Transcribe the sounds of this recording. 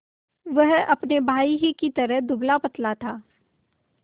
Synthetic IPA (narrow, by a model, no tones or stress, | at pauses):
ʋɐɦɐpnebʱaːiɦikit̪ɐɾəɦd̪ʊblapɐt̪lat̪ʰaː